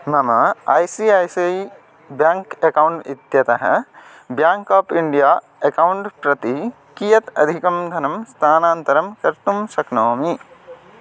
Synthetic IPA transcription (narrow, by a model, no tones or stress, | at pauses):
mɐmɐɐ̰ːjsiɐjsij | bjaːŋkekɐwuɳʈid̪jɐt̪ɐɦɐ̰ | bjaːŋkaːpiɳɖijaː | ekɐwɳʈpɾɐt̪i | kijɐt̪ɐd̪ʱikɐmd̪ʱɐnɐmst̪ʰaːnaːnt̪ɐɾɐmkɐɾt̪umsɐknoːmi